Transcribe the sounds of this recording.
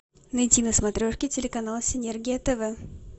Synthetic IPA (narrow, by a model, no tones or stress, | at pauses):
nɐjtʲinəsmɐt̪ɾʲoʂkʲɪtʲɪlʲɪkɐnalˠəsʲɪnʲerɡʲɪjɛt̪ɛvɛ